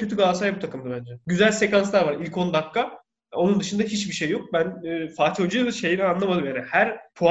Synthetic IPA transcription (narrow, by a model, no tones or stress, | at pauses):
øt̪yɡaːsajbut̪ʰakʰɯmd̪abænd͡ʒɛɟyzælʲse̞kanslˠaɾvaɾilʲkʰo̞nd̪akːa | o̞nund̪ɯʃɯnd̪aɦit͡ʃbiʃe̞jːo̞k̚bænːfaːt̪ʰod͡ʒijalɯʃe̞jinɛanlˠamad̪ɯmjaɾɛhæɾpʰu